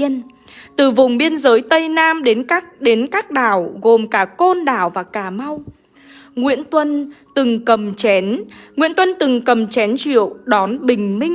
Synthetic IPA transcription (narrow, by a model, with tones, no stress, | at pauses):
ən | t̪ɨ˨˩vʊ˨˩wŋ͡mɓi˧ənzəː˨˦jt̪ə˧jnaː˧mɗe˨˦nka˦˥ɗe˨˦nkaː˦˥k̚ɗaː˧˩wɣo˨˩mkaː˧˩ko˧nɗaː˧˩wvaː˨˩kaː˧˩ma˧w | ŋwḭ˧˥ənt̪wə˧nt̪ɨ˨˩ŋkə˨˩mt͡ɕɛ˨˦nŋwḭ˧˥ənt̪wə˧nt̪ɨ˨˩ŋkə˨˩mt͡ɕɛ˨˦nt͡ɕwḭ˧˨əwɗɔ˨˦nɓï˨˩ŋ̟mï˧ŋ